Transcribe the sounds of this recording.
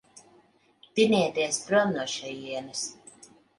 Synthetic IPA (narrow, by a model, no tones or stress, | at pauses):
t̪iniɛt̪iɛspɾumnuʃɛjiɛnɨs